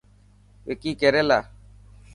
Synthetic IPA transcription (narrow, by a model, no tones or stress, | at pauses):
wekikɛɾɛla